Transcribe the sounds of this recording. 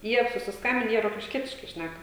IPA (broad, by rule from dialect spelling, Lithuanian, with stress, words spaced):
ˈjiɛ sʊsʲɪsˈkɐmʲbʲɪn ˈjiɛ roːkʲɪʃʲˈkʲiɛtʲɪʃkɐɪ ˈʃʲnʲækɐ